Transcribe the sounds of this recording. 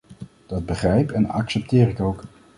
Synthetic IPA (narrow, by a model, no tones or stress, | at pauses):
d̥ɑd̚bəχrɛjpɛnɑ̰ksɛp̚tɪːrɪkowk